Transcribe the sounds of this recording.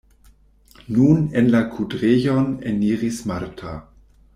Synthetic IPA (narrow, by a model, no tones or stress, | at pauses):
nunenlakʰudʁejoneniːʁismaɾtʰa̰